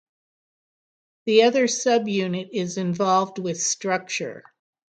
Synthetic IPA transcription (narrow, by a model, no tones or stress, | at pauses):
ðiʌðə˞sʌbjʉnɨɾɪzɨ̃ɱvɑlˠvd̚wɪð̥stɹ̥ʌk̚t͡ʃə̰˞